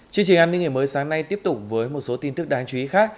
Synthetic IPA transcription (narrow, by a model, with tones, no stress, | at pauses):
t͡ɕi˧əŋt͡ɕi˨˩ŋʔaː˧nːï˧ŋʔəː˧˩məː˨˦jsaː˨˦ŋna˧jt̪i˦˥əp̚t̪ʊ˨˩k͡p̚vəː˨˦jmo˨˩t̚so˨˦t̪i˧nt̪ɨ˦˥k̚ɗaː˨˦ŋt͡ɕu˧i˨˦xaː˦˥k̚